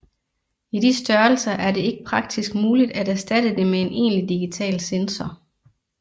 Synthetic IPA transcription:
idisd̥ɶɐl̩sɐʔæɐɾe̝e̝ɡ̥əpʰʁɑ̈ɡ̥̚d̥isɡ̥̚muːlid̥ædæɐsd̥æd̥əd̥e̝mee̝nʔe̝̰ːnlid̥iɡ̥it͡sʰɛ̰ːlsensɒ

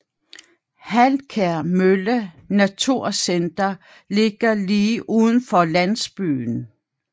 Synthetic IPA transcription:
hælkʰeɐmølə | næt͡sʰuɐ̰send̥ɐ | le̝ɡ̥ɐliːʔuːðˠn̩fɒ̽lænsb̥y̰ːn̩

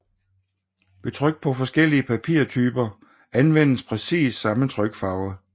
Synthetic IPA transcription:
ʋe̝t͡sʰʁœɡ̥̚d̥̚pʰɒ̽fɒ̽sɡ̥el̰iəpʰæpʰiɐ̰t͡sʰyːb̥ɐ | ænʋen̰əspʰʁɛsḭːsːɑ̈mət͡sʰʁœɡ̥fɑ̈ʊə

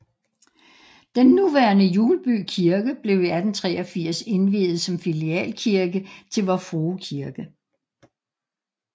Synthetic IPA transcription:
d̥enːuʋæɐnəjuːləb̥y̰ːkʰiɐɡ̥əb̥le̝ʊæd̥en̩t͡sʰʁɛ̰ːɒ̽fiɐ̰se̝nʋḭːð̩ˠsɒ̽mfiliɛ̰ːlkʰiɐɡ̥ət͡sʰe̝lʋɒfʁoːkʰiɐɡ̥ə

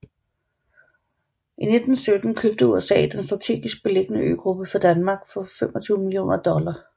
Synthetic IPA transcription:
ʔine̝d̥n̩sød̥n̩kʰøb̥̚d̥əuesɛ̰ːd̥ensd̥ʁɑ̈t͡sʰe̝̰ːɡ̥isɡ̥̚b̥e̝le̝ɡ̥ənəø̰ːɡ̥ʁub̥əfɒd̥ænmɑ̈ɡ̥fɒ̽femɒt͡sʰyːʊmilio̝̰ːnʔɐd̥ɒ̽lɐ

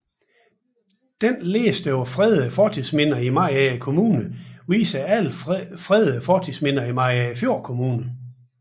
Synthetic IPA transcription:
d̥enle̝ːsd̥øɒfʁɛðˠfɒːt͡sʰiðˠsmenɐimɑ̈ɪ̰ækʰo̝muːnəʋḭːsɐæl̰fʁɛðˠfɒːt͡sʰismenɐimɑ̈ɪ̰æfjo̝ɐ̰kʰo̝muːnə

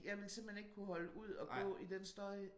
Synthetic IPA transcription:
jɑ̈ɪʋe̝lse̝m̥heneɡ̥kʰuhɒ̽ləʔuð̞̰ˠɒ̽ɡ̥ɔ̰̽ːid̥ensd̥ɒə

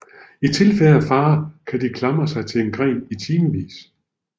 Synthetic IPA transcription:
it͡sʰe̝lfeləæfɑ̈ːkʰæd̥ikʰlɑ̈mɐsɑ̈ɪt͡sʰe̝e̝nɡ̥ʁɛ̰ːnit͡sʰiːməʋḭːs

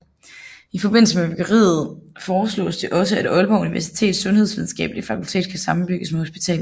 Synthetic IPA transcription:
ifɒ̽b̥e̝n̰l̩s̬əmebyɡ̥ɐʁḭːð̩ˠfɒːslɔ̰̽ːsd̥eʔɒ̽s̬əæd̥ɒ̽lb̥ɒʊuniʋæɐsi̥t͡sʰe̝̰ːd̥sɔ̽nheð̞ˠsʋið̞ˠn̩sɡ̥ɛ̰ːb̥əlifækʰult͡sʰe̝̰ːd̥̚kʰæsɑ̈mn̩b̥yɡ̥əsmeho̝sb̥it͡sʰɛ̰ːl̩ˠ

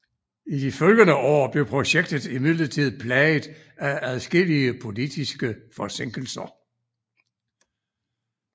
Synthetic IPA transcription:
id̥ifølɡ̥ənəʔɒ̰ːb̥le̝ʊpʰʁo̝ɕeɡ̥̚d̥ð̩ˠimiðˠlɐt͡sʰið̰ˠpʰlɛɪð̩ˠ | æʔæðˠsɡ̥e̝liəpʰo̝lid̥isɡ̥əfɒ̽se̝ŋ̰ɡ̥l̩sɐ

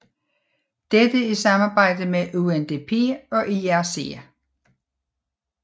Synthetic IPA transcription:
d̥ed̥əisɑ̈mɑ̈ːb̥ɑ̈ɪ̰d̥əmeʔuend̥e̝pʰe̝̰ːɒ̽ʔiæse̝̰

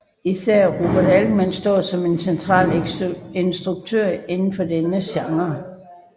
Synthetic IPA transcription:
isæɐ̰ʁob̥ɐdæld̥mænsd̥ɒ̰ːsɒ̽me̝nsent͡sʰʁɑ̰̈ːlensd̥ʁuɡ̥̚t͡sʰøɐ̰e̝nn̩fɒ̽denəɕɑ̈ŋɐ

